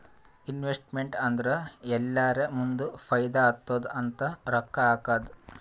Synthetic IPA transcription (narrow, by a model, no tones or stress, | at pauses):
inʋesʈmeɳʈɐnd̪ɐɾeɛlːaːɾemund̪upʰɐjd̪ɐːt̪ːoːd̪ɐnt̪ɐɾɐkːɐaːkaːd̪u